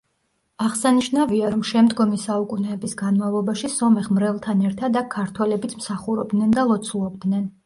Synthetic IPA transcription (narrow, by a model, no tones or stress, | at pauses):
aʁsaniʃnaviaɾɔmʃɛmd̪ɡɔmisaukʼunɛːbisɡanmavlˠɔbaʃisɔmɛʁmɾɛlˠt̪ʰanɛɾt̪ʰad̪akʰaɾt̪ʰwɛlɛbit̪sʰmsaχuɾɔb̚d̪nɛnd̪alˠɔt̪sʰulˠɔb̚d̪nɛn